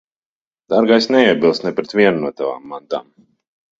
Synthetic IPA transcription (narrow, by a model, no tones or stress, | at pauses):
d̪̥aɾɡajsnɛiɛbilˠst̪nɛpɾɛt̪vʲiɛnunuɔt̪ava̰ːmːant̪a̰ːm